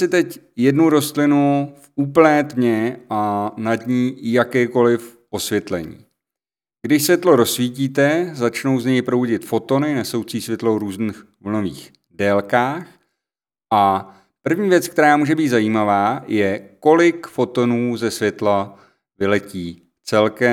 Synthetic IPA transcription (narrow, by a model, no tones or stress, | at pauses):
sɪt̪ɛcjɛdnuɾo̞st̪lɪnufuːpl̩nɛːd̪ɲɛʔanadɲiːjakɛːko̞lɪfʔo̞svjɛt̪lɛ̰ɲḭː | ɡ̥dɪʃsvjɛt̪lo̞ɾo̞sviːciːt̪ɛzat͡ʃno̞wzɲɛjpɾowɟɪt̪fo̞t̪o̞nɪnɛso̞wt͡siːsvjɛt̪lowɾuːzniːx | vl̩no̞vḭːx | dɛːlkaːx | ʔa | pr̩vɲiːvjɛt͡sk̚t̪ɛɾaːmuːʒɛbiːt̪zajiːmavaːjɛko̞lɪkfo̞t̪o̞nuːzɛsvjɛt̪la | vɪlɛciː | t͡sɛlkɛ